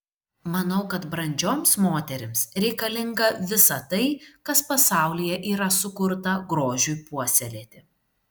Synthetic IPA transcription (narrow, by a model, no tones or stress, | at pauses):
mɐnɐʊkɐt̪bɾɐnʲd͡ʒʲoːmsmoːt̪ʲɛɾʲɪmsɾʲɛɪkɐlʲɪŋɡɐʋʲɪsɐt̪ɐɪkɐspɐsɑˑʊlʲɪjɛʔiːɾɐsʊkʊɾt̪ɐɡɾoːʒʲʊjpuɔsʲɛlʲeːt̪ʲɪ